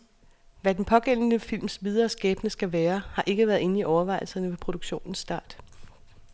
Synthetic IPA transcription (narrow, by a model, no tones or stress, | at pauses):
ʋæd̥en̩pʰɒ̽ɡ̥en̰n̩əfil̰msʋið̞ˠɐːsɡ̥ɛːb̥nəsɡ̥æʋæːɐhɑ̈ʔe̝ɡ̥əʋæːɐðˠe̝n̩iʔɒʊɐʋɑ̈ɪl̩sɐnəʋepʰʁo̝d̥uɡ̥ɕo̝̰ːnn̩sːd̥ɑ̰̈ːd̥